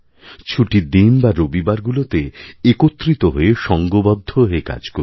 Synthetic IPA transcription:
t͡ɕʰuʈid̪inbaɾobibaɾɡulot̪eekot̪ːɾit̪oɦoeʃɔŋɡobɔd̪ʱːoɦeka̰d͡ʑko

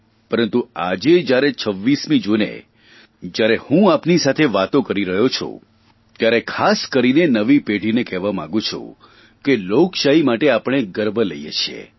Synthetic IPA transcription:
pəɾənt̪ua̰d͡ʒed͡ʒjaɾet͡ʃʰəʋːismĩd͡ʒonḛ | d͡ʒjaɾehũapnisat̪ʰeʋat̪õkəɾiɾəɦjot͡ʃʰo̰ | t̪jaɾekʰaskəɾinenəʋipeɽʱinekɛʋamã̰ŋɡũt͡ʃʰṵ | kelokʃaɦimaʈeapəɽ̃eɡəɾbʱələjḛt͡ʃʰḛ

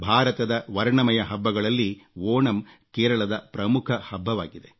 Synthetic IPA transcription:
bʱaːɾɐt̪ɐd̪ɐʋɐɾɳɐmɐjɐɦɐbːɐɡɐɭɐlːiʋoːɳɐm | keːɾɐɭɐd̪ɐpɾɐmukʰɐhɐbʱːɐʋaːɡid̪e

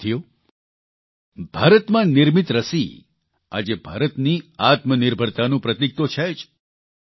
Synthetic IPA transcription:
t̪ʰijo | bʱaːɾət̪mãnɪɾmit̪ɾəsi | a̰d͡ʒebʱa̰ːɾət̪niat̪mənɪɾbʱəɾt̪anũpɾət̪ik̚t̪ot͡ʃʰɛd͡ʒ

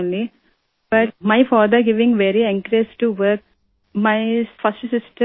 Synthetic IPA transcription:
nli | b̥ɐʈ̚maɪfaːd̪əɾɡɪʋɪ̃ŋʋeɾiɛ̃ŋkəɾiəsʈuʋəɾk̚ | maɪfɐsʈsɪsʈə

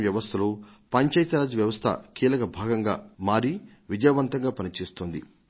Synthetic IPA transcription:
ʋjɐʋɐst̪ʰɐlu | pɐɲt͡ʃɐjt̪ɐɾaːd͡ʒuʋjɐʋɐst̪ʰɐ̰kiːlɐkɐbʱaːɡɐŋɡa̰ːmaːɾi | ʋid͡ʒɐjɐʋɐnt̪ɐŋɡaːpɐnit͡ʃe̞ːst̪oːnd̪ḭ

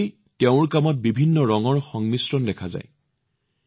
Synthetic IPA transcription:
teʊ̃ɹkamɔt̚bibʱinːɔɹɔŋɔɹxɔŋmisɹɔndɛkʰaza̰j

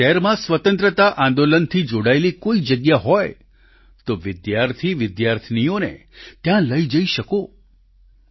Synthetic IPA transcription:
ʃɛɾmãsʋət̪ənt̪ɾət̪aʔãnd̪olənt̪ʰid͡ʒoɽaelikoid͡ʒəɡjaɦɔj | t̪oʋɪd̪jaɾt̪ʰiʋɪd̪jaɾt̪ʰnijonḛt̪jãləid͡ʒəiʃəko

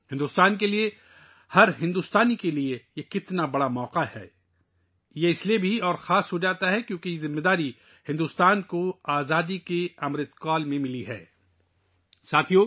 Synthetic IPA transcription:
hɪ̃nd̪ust̪aːnkelie | hɐɾɦɪ̃nd̪uːst̪aːnikeliejekɪt̪nabɐɽamɔːqahɛ̰ː | jeɪsliebʱiɔːɾxaːsɦod͡ʒaːt̪aɦɛkjõːkizɪmːed̪aːɾi | hɪ̃nd̪uːst̪aːnkoaːzaːd̪ikeɐmɾɪd̪kaːlmẽmɪliɦɛ̰ː | saːt̪ʰijoː

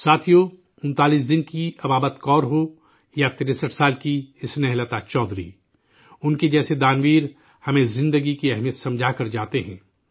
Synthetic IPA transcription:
saːt̪ʰijo | ʊ̃nt̪aːlis̬d̪ɪnkiɐbaːbət̪kɔːɾɦo | jat̪ɪɾesəʈʰsaːlkiɪsnɛɦlət̪at͡ʃɔːd̪ɾḭ | ʊnked͡ʒɛːsed̪aːnʋiːɾ | hɐmẽzɪ̃nd̪əɡikiɛɦmijət̪sɐ̃md͡ʒʱakɐɾd͡ʒaːt̪eɦɛ̰̃ː

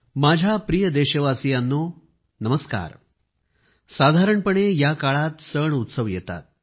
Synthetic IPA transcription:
mad͡ʑʱapɾijəd̪eɕəʋasijanːo | nəməska̰ːɾ | sad̪ʱaɾəɳpəɳejakaɭat̪səɳut̪səʋjɛt̪a̰t̪̚

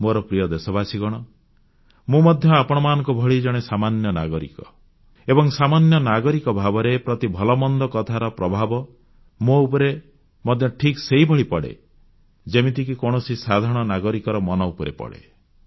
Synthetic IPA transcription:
moɾɔpɾijɔd̪esɔbasiɡɔɽ̃ɔ | mumɔd̪ʱjɔapɔɽ̃ɔmaːnɔ̃ŋkubʱɔɭid͡ʒɔɽ̃esamanjɔna̰ɡɔɾḭkɔ | ebɔŋsamanjɔnaɡɔɾikɔbʱabɔɾepɾɔt̪ibʱɔlɔmɔnd̪ɔkɔt̪ʰaɾɔpɾɔbʱabɔ | moupɔɾe | mɔd̪ʱjɔʈʰikseɦibʱɔɭipɔɽḛ | d͡ʒemit̪ikikɔɽ̃ɔsisad̪ʱaɾɽ̃ɔnaɡɔɾikɔɾɔmɔnɔupɔɾḛpɔ̰ɽḛ

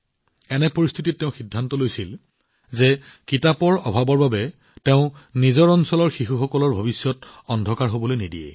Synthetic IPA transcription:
ɛnɛpoɹist̪ʰititːɛʊ̃xidʱːantɔlojsil | zɛ | kitapɔɹɔbʱabɔɹbabɛ | tɛʊ̃nizɔɹɔnsɔlɔɹxixuxɔkɔlɔɹbʱobisjɔtɔndʱɔkaɹɦobɔlojnidijɛ̰

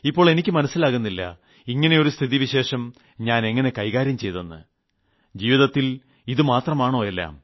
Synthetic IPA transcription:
ipːoːɭe̞nikʲːɨmɐnɐsːilaːɣunːilːɐ̰ | iŋːɐne̞o̞ɾust̪ʰiðiʋiɕe̞ːʂɐm | ɲaːne̞ŋːɐne̞kɐjɣaːɾjɐmt͡ɕe̞jt̪ɐnːɨ̰ | d͡ʑiːʋiðɐt̪ːil | iðɨmaːt̪rɐmaːɳo̞ːelːa̰ːm

